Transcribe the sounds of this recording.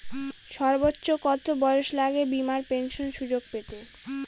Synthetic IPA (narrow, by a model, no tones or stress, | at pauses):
ʃɔɾbotːɕokɔt̪ʰobɔeoʃlaɡebimaɾpenʃonʃud͡ʑoɡpet̪e